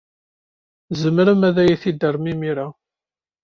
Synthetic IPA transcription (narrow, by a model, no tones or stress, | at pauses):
zəmɾəmæðæjæθid̪ərˤmimiɾa